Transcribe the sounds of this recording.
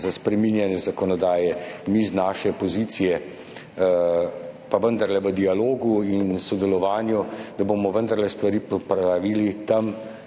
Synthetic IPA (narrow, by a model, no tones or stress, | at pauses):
zaspɾɛminjanjɛzakɔnɔd̪aːjɛmiznaːʃɛpɔziːt̪sijɛ | paʋənd̪ɐɾlɛʋəd̪ialoːɡuinsɔd̪ɛlɔʋaːnjud̪aboːmɔʋənd̪ɐɾlɛst̪ʋaɾiːpɔpɾaʋiːlit̪am